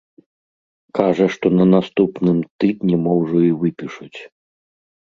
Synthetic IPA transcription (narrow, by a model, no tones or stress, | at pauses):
kaʐɐʂt̪ɔnɐnast̪upnɨmt̪ɨd̪nʲimɔwʐɔivɨpʲiʂut͡sʲ